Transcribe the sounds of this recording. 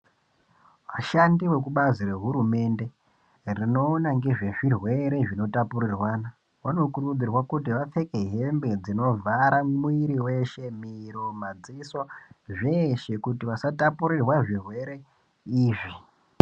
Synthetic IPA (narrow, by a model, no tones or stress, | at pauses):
ʋaʃandiwe̞k̬uɓazire̞ɦuɾume̞nde̞ | rino̞ːnaŋɡe̞ʐe̞ʐirwe̞ɾe̞ʐino̞tapurirwaːna | wano̞kurud͡zirwakut̬iʋap͡fe̞ke̞ɦe̞mbe̞d͡zino̞vaɾamuwiɾiwe̞ʃe̞miɾo̞mad͡ziso̞ʐe̞ʃe̞kutiʋasatapuɾirwaʐirwe̞ɾe̞ | iːʐi